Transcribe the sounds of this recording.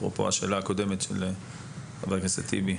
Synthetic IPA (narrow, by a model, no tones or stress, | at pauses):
ʁo̰po̞̰aʃe̞ːlaːkod̪e̞met̪ʃḛl | abaʁɡesat̪ḭbi